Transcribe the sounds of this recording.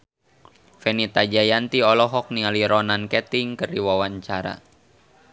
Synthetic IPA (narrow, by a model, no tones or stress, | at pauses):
fɛnit̪ad͡ʒajant̪iɔlɔɦɔk̚nialiɾɔnankɛt̪iŋkərdiwawaɲt͡ʃaɾa̰